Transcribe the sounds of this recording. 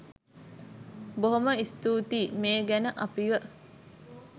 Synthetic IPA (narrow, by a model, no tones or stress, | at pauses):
boɦoməist̪uːt̪iːmeːɡænəʔɐpiʋə